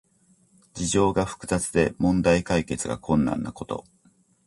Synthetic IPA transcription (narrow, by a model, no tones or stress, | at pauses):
d͡ʑiʑo̞ːɡaɸɯ̥kɯ̟zat͡sɨd̪e̞mõ̞nd̪aikaike̞t͡sɨɡa̰kʰõ̞nːã̰nːako̞t̪o̰